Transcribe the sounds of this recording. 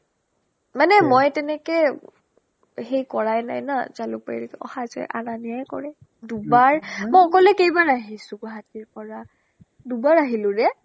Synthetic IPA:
manɛmɔjtɛnɛkɛ | xejkɔɹajna̰jnazalʊ̰paḭlɛkɛɔ̰hazɔ̰jʔa̰naniajkɔ̰ɹɛ | dubaɹmɔjɔkɔlɛkejbaɹaɦisʊ̃ɡɔɦatiɹpɔɹa | dubaɹaɦilʊ̃ɹɛ

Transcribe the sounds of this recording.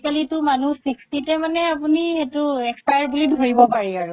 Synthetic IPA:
kalitʊmanusikstitɛmanɛap̬unietuɛkspajaɹbulidʱoɹibɔpaɹiaɹu

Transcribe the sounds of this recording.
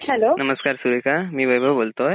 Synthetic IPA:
hɛloːnɐməskaːɾsuɾekamĩbɐibʱəboːlt̪oɦɛ

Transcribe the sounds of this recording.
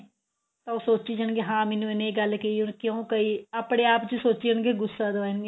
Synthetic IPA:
t̪ãːoːsoːt͡ʃiːd͡ʒəɳɡeɦãːmenũeneːɡəlkeiːʊnkjõːkəiːaːpɽ̃eːaːpt͡ʃəsoːt͡ʃiəɳɡeːɡʊsːaːd̪oʋaːnɡe

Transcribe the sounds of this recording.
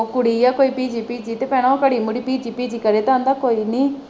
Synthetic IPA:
okʊɽiːjaːkoːiːpiːd͡ʒiːpiːd͡ʒiːt̪eːpɛ̃ːɽ̃ãokəɽiːmʊɽiːpiːd͡ʒiːpiːd͡ʒiːkəɾeːt̪ːə̃nd̪aːkoːiːniː

